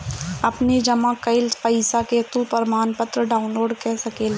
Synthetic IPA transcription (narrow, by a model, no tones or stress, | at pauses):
ɐpnid͡ʒɐmãkɐɪlpɐisaket̪upɐɾmaːnpət̪ɾəɖaːʊnloːɖkɛːsɐkeːl